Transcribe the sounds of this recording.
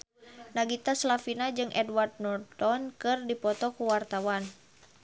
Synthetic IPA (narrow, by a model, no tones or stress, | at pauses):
naɡit̪aslafinad͡ʒɨŋʔɛdward̚nɔrt̪ɔnkɨrdipɔt̪ɔkuwart̪awan